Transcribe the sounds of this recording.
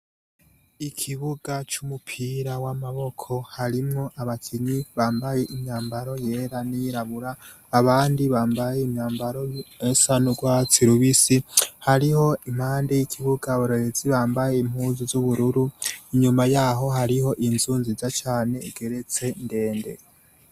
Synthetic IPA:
ikʰiβuɡat͡ʃumupʰiːɾawamaβo̞kʰo̞haɾimŋoʔaβakʰiɲiβaːmbaje̞ʔimɲaːmbaɾo̞jeɾanijiɾaβuɾaː | βaːndiβaːmbajeimɲaːmbaɾoesanuɡwat͡siɾuβisihaɾiho̞im̥haːndejikʰiβuɡaβoɾeɾeziβaːmbaje̞im̥huːzuzuβuɾuɾuiɲumajaɦo̞ɦaɾiho̞ʔinzuːnzizat͡ʃaːne̞ːɡ̥e̞ɾe̞t͡se̞nde̞ːnde̞̰

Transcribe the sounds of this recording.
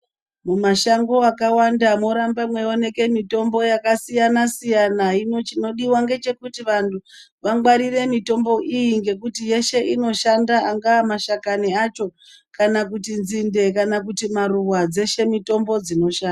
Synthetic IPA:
mumaʃaŋɡo̞akawandamo̞ɾambamwe̞o̞ne̞ke̞mito̞mbo̞jakasijanasijanainot͡ʃino̞ɗiwaŋɡe̞t͡ʃe̞kutiʋantʰu | ʋaŋɡwaɾire̞mito̞mbo̞ʔijiŋɡe̞kutije̞ʃe̞ʔino̞ʃandaaŋɡaːmaʃakaniat͡ʃo̞ | kanak̬utinzinde̞kanak̬utimaɾuwad͡ze̞ʃe̞mito̞mbo̞d͡zino̞ʃaːda

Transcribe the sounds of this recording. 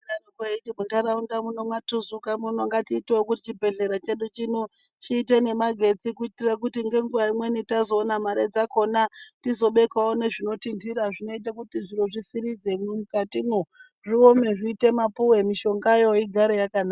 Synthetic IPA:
arokeitimuntaɾaundamunomwatuzukamunoŋɡatiːteokutit͡ʃibʱe̞ɮe̞ɾat͡ʃe̞ɗut͡ʃinu | t͡ʃiːt̬ene̞maɡʱe̞t͡sikuitirak̬utiŋɡe̞ŋɡuʋaimwe̞nitazo̞ːnamaɾed͡zako̞natizo̞ɓe̞kwawone̞ʐino̞tindiɾaʐino̞it̬akutiʐiɾoʐisiɾizemumukatimu | ʐio̞meʐiːte̞mapuwe̞miʃo̞ŋɡajo̞iɡʱaɾejakanaːa

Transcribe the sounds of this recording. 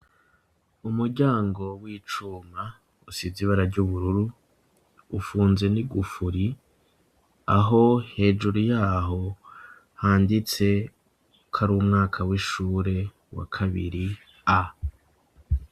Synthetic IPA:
umuɾɟaːŋɡo̞wiːt͡ʃuma | usiziβaɾaɾɟuβuɾuɾuː | fuːnze̞niɡufuɾi | aɦo̞he̞ːd͡ʒuɾujaːɦo̞ | haːndit͡se̞ | kʰaɾuumŋaːkʰawiʃuːɾe̞ | wa̰kʰaβḭɾi | a

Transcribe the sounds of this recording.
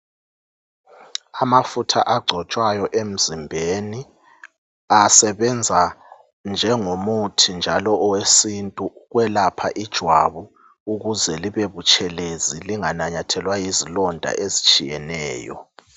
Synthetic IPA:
amafutʰa̰ʔaɡ͡ǀʱɔt͡ʃʼwajɔʔem̩zimbʱeni | asɛβɛnd͡zʱa | nd͡ʒʱɛŋomutʰind͡ʒʱalɔʔɔwesintʼuɣwɛlapʰa̰ʔid̥ʒ̥ʱwa̰βu | uɣuzɛliβeβut͡ʃʰʼɛleziliŋanaɲatʰɛlwajizilɔndʱa̰ʔezit͡ʃʼijɛnɛ̰ːjɔ̰

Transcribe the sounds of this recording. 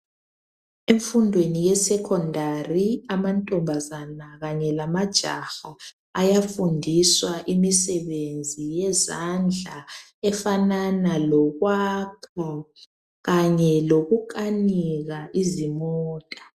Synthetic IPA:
eɱfundʱwenijɛsɛkʰɔndʱariamantʼɔmbʱazanaɣaɲɛlamad̥ʒ̥ʱa̰xa | ajafundʱiswaʔimisɛβend͡zʱijɛzand͡ɮʱa | ɛfananalɔɣwakʰɔ | ɣaɲɛloɣuk̬ʼaniɣaʔizimɔːtʼḁ

